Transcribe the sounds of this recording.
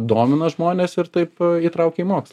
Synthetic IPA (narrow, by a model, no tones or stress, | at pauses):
d̪oːmʲɪnɐʒmoːnʲeːsɪɾt̪ɐɪpiːt̪ɾɐʊkʲɛiːmoːkslˠ